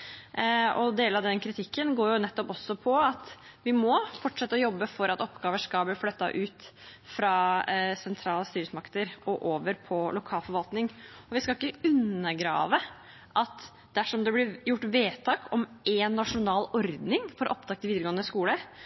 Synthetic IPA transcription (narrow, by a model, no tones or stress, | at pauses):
ɔd̪eːləɾɑd̪ɛnkʰɾɪt̪ʰɪkːənɡoːɾjʊnɛt̪ːɔpɔsːɔpʰɔɑt̪ | ʋɪmɔfɔʈːʂɛt̪ːəɔjɔbːəfɔɾɑt̪ɔpːɡɑːʋəʂkɑlbliːflœt̪ːɑ̰ʔʉːt̪fɾɑːsɛnt̪ʰɾɑːləst̪yːɾəsmɑkt̪əɾɔʔoːʋəɾpʰɔlʊkʰɑːlfɔɾʋɑlt̪nɪŋɔʋɪskɑɪkːəʉnːəɡɾɑ̰ːʋə | ʔɑt̪ | d̪æʂɔmd̪ɛblɪjʊʈːʋeːt̪ʰɑːkʰɔmʔɛnːɑʂʊnɑːlɔɾd̪nɪŋfɔɾʔɔp̚d̪ɑk̚t̪əʋiːd̪ɾɡoːənəskuːlə